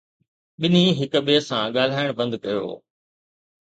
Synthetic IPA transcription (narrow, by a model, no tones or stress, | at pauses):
ɓɪniɦɪk̆ɓeːsãɠaːl̤aːɪɽ̃bɐ̃nd̪kɐjo̰ː